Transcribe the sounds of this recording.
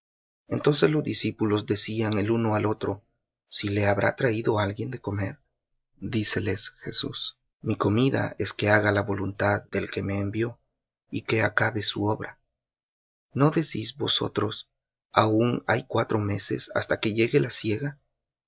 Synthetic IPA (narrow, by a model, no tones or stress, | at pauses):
e̞nt̪o̞ns̬e̞zlo̞zd̪isipulo̞zd̪e̞siaŋe̞luno̞alo̞t̪ɾo̞ | sile̞aβɾʔa̰t̪ɾaiðo̞alɣje̞nd̪e̞ko̞me̞̰ɾ | d̪ise̞le̞sxe̞̰sṵs | miko̞miða̰ʔe̞ske̞aɣalaβo̞lunt̪aðːe̞lke̞me̞ːmbjo̞ | ike̞akaβe̞sṵo̞βɾa | no̞ðesizbo̞so̞̰t̪ɾo̞s | auŋa̰jkwat̪ɾo̞me̞se̞̰sa̰st̪ake̞ʝe̞ɣe̞lasje̞ɣa